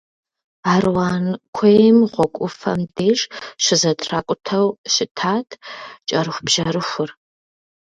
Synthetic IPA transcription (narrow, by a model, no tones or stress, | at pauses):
aːrwaːnkʷʰejmʁʷɔkʷʼʊfɐ̰mdeːʂʃʷɪzɐtʰraːkʷʼʊtʰɐwɕɪtʰaːtʰt͡ʃʼɐɾɨxʷbʒ̥ɐɾɨxʷʊr